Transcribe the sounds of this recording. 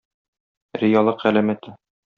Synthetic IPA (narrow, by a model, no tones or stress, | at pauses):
ɾijɑlˠɤqælæmæt̪ɘ